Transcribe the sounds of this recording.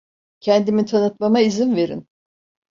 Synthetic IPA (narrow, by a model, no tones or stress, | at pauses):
cʰɛnd̪imit̪ʰanɯt̪mamaizinve̞ɾḭn